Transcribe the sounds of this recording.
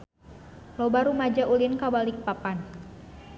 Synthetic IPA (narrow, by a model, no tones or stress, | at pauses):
lɔbaɾumad͡ʒaʔulinkabalik̚papan